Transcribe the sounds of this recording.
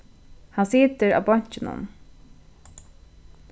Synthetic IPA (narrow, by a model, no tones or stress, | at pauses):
hansiːt̪əɹa̰ːbɔɲ̥t͡ʃɪnʊ̰n